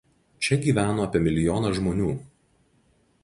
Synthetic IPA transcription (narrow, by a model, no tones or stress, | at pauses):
t͡ʃʲɛɡʲiːʋʲæːnoːɐpʲiɛmʲɪlʲɪjɔːnɐʒmoːnʲuː